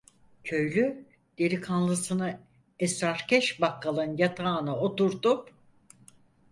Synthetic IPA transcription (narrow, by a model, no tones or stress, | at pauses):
cʰø̞jlʲy | d̪̥e̞ɾikʰanlˠɯsɯnɯ | ɛsɾaɾcɛʃbakʰːalˠɯnjat̪ʰaːnɯot̪uɾt̪up